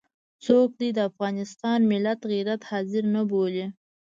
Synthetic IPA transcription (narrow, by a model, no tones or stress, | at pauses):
t͡sok̚d̪ijd̪əafɣɑnɪst̪ɑnmɪlat̪ɣiɾat̪hɑzɪɾnəboli